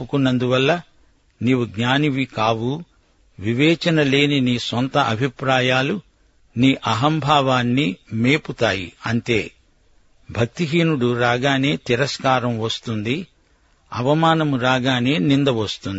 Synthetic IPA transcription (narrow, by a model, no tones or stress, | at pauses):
pukunːɐnd̪uʋɐlːɐ | niːʋuɡɲaːniʋikaːʋu | ʋiʋɛːt͡ʃɐnɐle̞ːniniːsɔnt̪ɐʔɐbʱipɾaːjaːlu | niːʔɐɦɐmbʱaːʋaːnːimeːput̪aːjḭɐnt̪eː | bʱɐk̚t̪iɦiːnuɽuɾaːɡaːne̞ːt̪iɾɐskaːɾɐmʋɐst̪und̪i | ɐʋɐmaːnɐmuɾaːɡaːne̞ːnind̪ɐʋɐst̪und̪i